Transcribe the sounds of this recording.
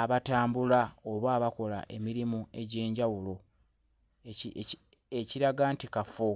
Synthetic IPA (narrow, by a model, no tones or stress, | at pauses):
aβataːmbulaoβwaːβako̞la̰ʔe̞miɾimue̞ɟe̞ːɲɟawulo̞ | eciɾaɡaːntikafo